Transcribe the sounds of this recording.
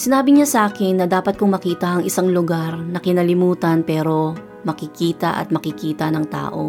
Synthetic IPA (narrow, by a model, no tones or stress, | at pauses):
sɪnaːbɪɲasɐʔaːkɪnːɐd̪aːpɐt̪̚kʊŋmɐkiːt̪ɐʔɐŋʔɪsaŋlʊɡaɾnɐkɪnɐlɪmuːt̪ɐnpɛːɾo̞ | mɐkɪkiːt̪ɐ̰ʔɐ̰t̪̚mɐkɪkiːt̪ɐnɐŋt̪a̰ːʔo̞̰